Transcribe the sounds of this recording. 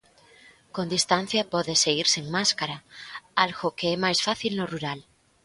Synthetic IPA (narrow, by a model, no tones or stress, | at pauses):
kõnd̪ist̪an̟θjɐpɔðeseɣiɾseŋmaskaɾaalɣokeɛmajsfaθilnoruɾal